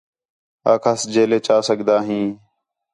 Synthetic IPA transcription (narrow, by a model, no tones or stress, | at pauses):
aːkʰaːsd͡ʒeːleːt͡ʃaːsəɠd̪aːɦĩː